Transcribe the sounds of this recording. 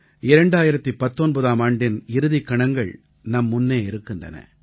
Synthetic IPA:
ɪɾɐɳɖaːjɪɾɐt̪ːipːɐt̪ːonbɐðaːmaːɳɖɪnɪɾɯðɪkːɐɳɐŋɡɐɭ | nɐmːʊnːeːɪɾɯkːɪndrɐ̰nɐ̰

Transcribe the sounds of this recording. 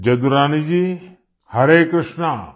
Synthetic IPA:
d͡ʒɐd̪uɾaːnid͡ʒi | hɐɾeːkɾɪʃna

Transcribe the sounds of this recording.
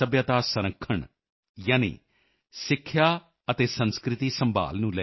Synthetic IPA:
əbjaːt̪aːsəɾəkʰːəɳ | jaːnḭː | sɪkʰːjaː | ət̪eːsənskɾɪt̪iːsə̃mba̰ːlnũːlɛ

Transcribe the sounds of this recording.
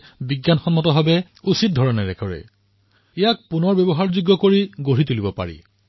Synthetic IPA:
biɡjanxɔnmɔtɔbabɛ | usit̚dʱɔɹɔnɛɹɛkʰɔɹɛ̰ | ɛjak̚punɔɹbɔbɔɦaɹzuɡːɔkoɹiɡoɹitulibɔpa̰ɹḭ

